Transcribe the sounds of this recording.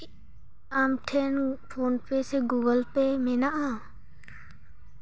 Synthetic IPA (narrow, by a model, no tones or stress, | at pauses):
aːmʈʰeːnfʰoːnpeːseɡuːɡəlpeːmẽːnaʔãː